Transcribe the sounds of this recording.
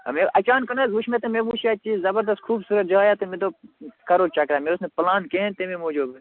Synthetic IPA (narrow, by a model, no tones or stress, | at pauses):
meʔɐt͡ʃaːnkɐnazuʃʰmet̪ɐmebuʃaːt͡ʃiːzzɐbɐɾd̪ɐst̪̚kʰuːbsuɾɐt̪̚d͡ʒajaːt̪ɨmet̪okɐɾoːt͡ʃɐkɾaːmeɾosneplaːnkent̪ememoːd͡ʒuːbe